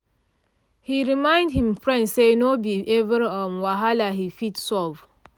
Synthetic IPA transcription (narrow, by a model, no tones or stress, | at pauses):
hiɹimãɪ̃ndhĩmfɹɛ̃ndsenobiʔevəɾɔmwaɦalaɦifitsɔv